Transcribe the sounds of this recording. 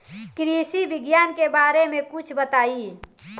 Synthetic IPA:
kɾisibɪɡjaːnkebaːɾemẽkut͡ʃʰbət̪aːi

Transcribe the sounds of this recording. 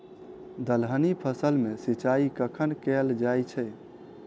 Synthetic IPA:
d̪əlɦənipʰəsəlmesit͡ʃaikəkʰənkɛld͡ʒajt͡ʃʰɛ

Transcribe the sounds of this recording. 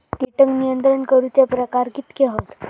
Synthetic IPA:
t̪iʈəŋɡnijənt̪ɾəɳkəɾut͡sepɾəkaɾɡit̪keɦot̪

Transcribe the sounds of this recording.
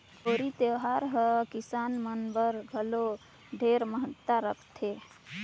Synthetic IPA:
kʰoɾit̪ewɦaɾɦəkisanmənbəɾɡʱəlo | ɖʱeɾməɦət̪ːaɾəkʰt̪ʰe

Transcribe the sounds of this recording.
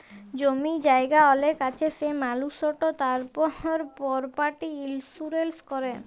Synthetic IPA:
d͡ʑomid͡ʑaeɡaɔlekat͡ɕʰesemalusɔʈot̪aɾpɔoɾpɔɾpaʈiilsuɾelskɔɾe

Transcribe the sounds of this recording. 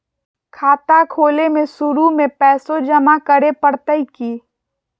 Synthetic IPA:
kʰaːt̪akʰoːlemẽsʊɾumẽpɛːsod͡ʒɐmakəɾepəɽt̪əikiː

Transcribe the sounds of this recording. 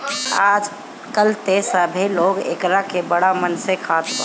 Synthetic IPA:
aːd͡ʒ | kəlt̪esəbʱeloːɡḛːkɾakebəɽamənsekʰat̪

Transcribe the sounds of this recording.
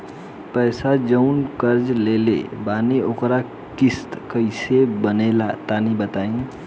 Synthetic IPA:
pəɪsad͡ʒəʊnkəɾd͡ʒlelḛbaːniokɾa | kist̪kəɪsebənelat̪anibət̪aːĩ

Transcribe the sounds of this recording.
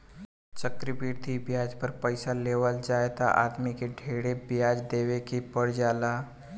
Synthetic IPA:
t͡ʃəkɾibiːɾd̪ʱibjaːd͡ʒpəɾpəɪsaleːʋəld͡ʒaːet̪a̰ʔa̰ːd̪mikeɖʱeːɽebjaːd͡ʒd̪eːwekepəɽ̤d͡ʒaːlaː

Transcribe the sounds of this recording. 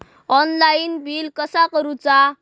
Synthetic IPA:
ɔnlainbilkəsakəɾut͡sa

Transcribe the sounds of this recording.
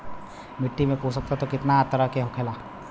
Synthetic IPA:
mɪʈːimẽkosɐk̚t̪at̪okɪt̪naːt̪əɾakeɦokʰeːla

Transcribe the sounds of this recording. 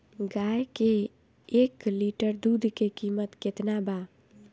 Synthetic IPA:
ɡaːjke | ekliʈəɾd̪ud̪ʱkekimət̪kɪt̪naba

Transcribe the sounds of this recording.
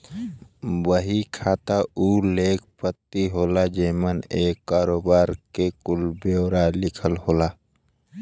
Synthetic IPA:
wəɦikʰaːt̪auːleːkʰpət̪ːiɦoːlad͡ʒeːməneːkːaːɾoːbaːɾkekʊlbewɾalɪkʰəlhoːlaː

